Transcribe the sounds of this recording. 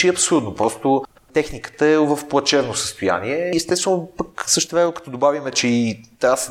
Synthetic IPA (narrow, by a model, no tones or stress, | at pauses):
iɐpsouɾd̪nopɾɔst̪ʊ | t̪ɛxnikə̥t̪əɛvəfplˠɐt͡ʃɛvnosə̥st̪oja̰niɛɛst̪ɛst̪vɛnopəksɤʃt̪t̪ɛvɾɛnokɐ̥t̪ɔd̪obavimɛt͡ʃɛit̪as